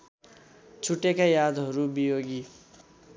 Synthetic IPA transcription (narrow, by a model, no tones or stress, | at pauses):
t͡sʰuʈekajad̪ɦʌɾubijoɡi